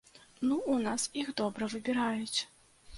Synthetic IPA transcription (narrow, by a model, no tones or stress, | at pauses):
nuunasixd̪ɔbɾɐvɨbʲɪɾajut͡sʲ